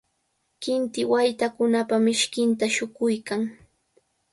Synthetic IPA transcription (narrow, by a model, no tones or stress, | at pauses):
kɪnt̪ɪwajt̪akʊnapamɪʃkɪnt̪aʃʊkʊjkaŋ